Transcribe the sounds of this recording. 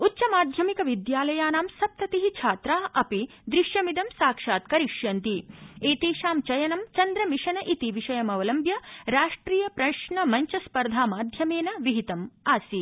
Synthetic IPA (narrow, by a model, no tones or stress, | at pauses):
utːt͡ʃɐmaːd̪ʱjɐmikɐʋid̪jaːlɐjaːnaːmsɐp̚t̪ɐt̪iɦit͡ʃʰaːt̪ɾaːʔɐpi | d̪ɾiʃjɐmid̪ɐmsaːkʂaːt̪kɐɾiʃjɐnt̪ieːt̪eːʃaːmt͡ʃɐjɐnɐmt͡ʃɐnd̪ɾɐmiʃɐnɐʔit̪iʋiʂɐjɐmɐʋɐlɐmbʱjɐɾaːʂʈɾiːjɐpɾɐʂɳɐmɐɲt͡ʃɐspɐɾd̪ʱaːmaːd̪ʱjɐmeːnɐʋiɦit̪ɐmaːsi